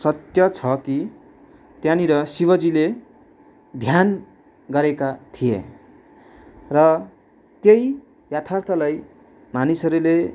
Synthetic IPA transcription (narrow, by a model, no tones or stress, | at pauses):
sʌt̪jʌt͡sʰʌki | t̪janiɾʌsibʌd͡zile | d̪ʱjan | ɡʌɾekat̪ʰiḛ | rʌ | t̪jej | jat̪ʰart̪ʰʌlaj | manisʌɾule